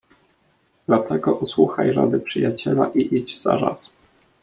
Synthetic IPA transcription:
d̪̥lat̪ɛɡɔʔuswuxajɾad̪ɘpʂɘjat͡ɕɛlaʔiʔid͡ʑz̥a̰ɾas

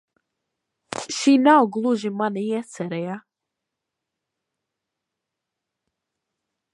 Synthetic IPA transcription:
ʃinawɡlˠuʒimanɛjɛsɛɾɛja

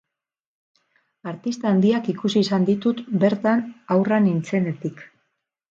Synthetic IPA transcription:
aɾt̪ist̪aːnd̪iakikusiːsand̪it̪ut̪be̞ɾt̪anawranint͡se̞ne̞t̪ik

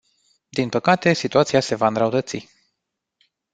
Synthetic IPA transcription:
d̪inpəkat̪e̞sit̪uat̪siase̞vaɨnd̪ɾəut̪ət̪si

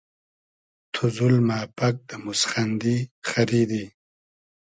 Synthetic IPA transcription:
t̪ʰuzʊlmaːpak̚d̪əmʊsχand̪ixaɾid̪i

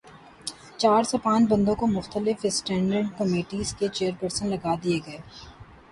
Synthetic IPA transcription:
t͡ʃaːɾsepãːnt͡ʃbɐ̃nd̪õkomʊxt̪əlɪfɪsʈɛ̃ːɳɖəɾɖkɐmeːʈiːzket͡ʃeːəɾpəɾsənlɐɡaːd̪ieɡɐeː

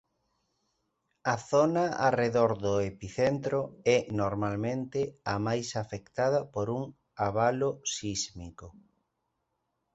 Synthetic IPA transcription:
ɐθɔnɐa̰reðoɾðʊepiθent̪ɾʊɛnoɾmalmẽnt̪ɪamajsafekt̪að̞ɐpoɾuŋ | aβalosizmiko

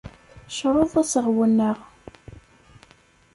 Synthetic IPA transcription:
ʃɾˤoðˤæsəʁwənːəʁ

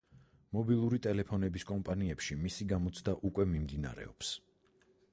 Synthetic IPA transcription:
mɔbilˠuɾit̪ʼɛlɛpʰɔnɛbiskʼɔmpʼaniɛpʃimisiɡamɔt̪sʰd̪aʔukʼwɛmimd̪ina̰ɾɛ̰ɔps

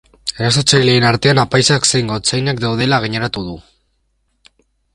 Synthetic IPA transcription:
e̞ɾaso̞t͡sajle̞ːnaɾt̪e̞anapajsaksejŋɡo̞t͡sajnakd̪awð̞e̞laɣ̞iɲeɾat̪uð̞u

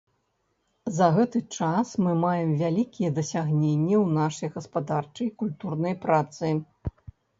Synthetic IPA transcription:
zɐɣɛt̪ɨt͡ʂasmɨmajɛmvʲalʲikʲijɛd̪ɐsʲaɣnʲenʲːɛwnaʂɐjɣɐspad̪art͡ʂɐjkulʲt̪urnɐjpɾat̪sɨ

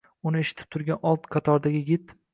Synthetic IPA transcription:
ʊnɪeʃɪ̥t̪ʰɪp̚t̪ʰʊɾɡʲanɒlˠt̪qʰɑt̪ʰɒɾd̪aɡʲɪɡʲɪt̪

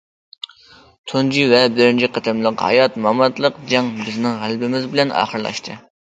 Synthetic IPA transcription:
t̪ʰund͡ʒivɛbɪɾɪnt͡ʃʰiqʰɑt̪ʰɨmlˠəqhɑ̰jɑt̪mɑmɑt̪lˠəqd͡ʒɑŋbɪznɪŋʁælˠbɪmɪzbɪlɛnɑ̰ːχəɾlˠɑ̰ʃt̪ʰɨ

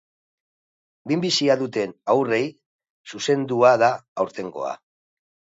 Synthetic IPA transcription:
bimbisiaðut̪e̞nawre̞j | suse̞nd̪uaðaːwɾt̪e̞ŋɡo̞̰a̰

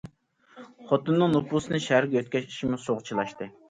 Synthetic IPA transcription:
χɔt̪unːɨŋnupusɨnɨʃæɾɡʲɛøt̪̚kʲɛi̥ʃimusoʁt͡ʃʰilˠɑʃt̪ɨ

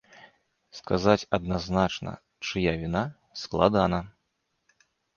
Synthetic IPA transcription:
skazat͡sʲɐd̪̚naznat͡ʂnɐ̰ | t͡ʂɨjavʲina | sklˠad̪anɐ

